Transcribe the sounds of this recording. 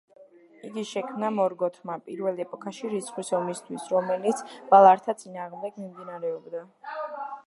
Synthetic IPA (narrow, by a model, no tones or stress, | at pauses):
iɡiʃɛkʰmnamɔɾɡɔt̪ʰmapʼiɾvɛlˠɛpʼɔkʰaʃiɾisχisɔmist̪ʰwisɾɔmɛlit̪sʰb̥alˠaɾt̪ʰat̪sʼinaːʁmd̪ɛɡmimd̪inaɾɛɔbd̪a